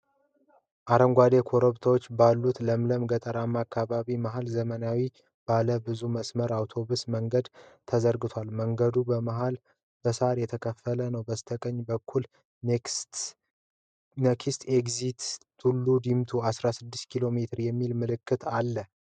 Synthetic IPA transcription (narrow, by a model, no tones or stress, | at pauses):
ʔaɾəŋɡʷad̪ekʰo̞ɾəβt̪ʰawot͡ʃːbalːut̪ləmləmɡət̪ʼəɾamːakʰːaβaβimaɦalzəmənawi | b̥aləbɨzuməsməɾawt̪ʰo̞βusməŋɡəd̪t̪ʰəzəɾɡɨt̪ʰʷalməŋɡəd̪ubəmaɦal | b̥əsəaɾjɛt̪ʰəkʰəfːələnəwbəst̪ʰəkʼəɲːbəkʰːul | nekʰist̪ʰeɡzit̪t̪ʰulːud̪imt̪ʰuasɾasɨd̪ːɨst̪kʰilo̞me̞t̪ʰɨɾjɛmːilmɨlɨkːɨt̪ʰalːə